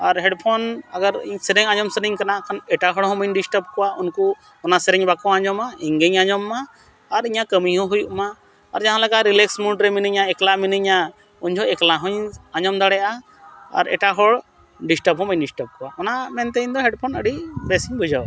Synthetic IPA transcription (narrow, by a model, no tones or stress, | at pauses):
aɾɦɛɖpʰɔnaɡaɾḭɲsɛɾɛɲaɲɔmsəɾiɲkanaʔkʰanɛʈaɦɔɽɦɔ̃məɲɖisʈəp̚kɔwaunku | ɔnasɛɾɛɲbakɔ̃aɲɔmaiŋɡəɲaɲɔmːaː | ɾiɲakəmiɦɔ̃ɦujuʔmaː | ɾd͡ʒaɦãlaɡaɾilɛksmuʈɾɛminiɲaɛklaminiɲa | uɲd͡ʒɔɛklaɦɔ̃ɲaɲɔmd̪aɽɛjʔa̰ː | ɾɛ̰ʈaɦɔɽ | ɖisʈəpɦɔ̃məɲɖisʈəp̚kɔwaʔɔnamɛnt̪ɛiɲd̪ɔɦɛɖpʰɔnəɖibɛsiɲbʱud͡ʒaw